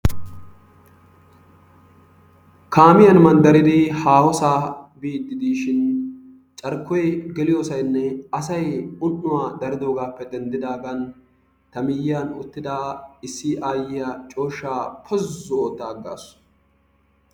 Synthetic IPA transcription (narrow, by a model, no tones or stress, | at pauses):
kaːmɪjɐnmɐnd̪ɐɾɪd̪ɪhaːwɔsaːbiːd̪ːɪd̪iːʃɪn | t͡ʃʼɐɾkːɔjɡɛlɪjoːsɐjnːɛɐsɐjʊnʔːʊwaːd̪ɐɾɪd̪o̞ːɡaːpːɛd̪ɛnd̪ɪd̪aːɡɐn | t̪ɐmɪjjɐnʊ̰t̪ːɪd̪aːɪsːɪʔaːjɪjɐt͡ʃʼo̞ːʃːaːpʰɔzːʊoːt̪ːaːɡːa̰ːs